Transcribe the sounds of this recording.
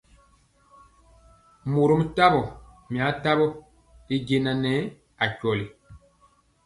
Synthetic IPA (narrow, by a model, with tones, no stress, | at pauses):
mo˨ɾo˦m̩˦ta˦bɔ˨ | mĩ˨a˨˦ta˦bɔ˦ | i˦ɟe˦˨nã˨nɛ˦ | a˨cɔ˨li˨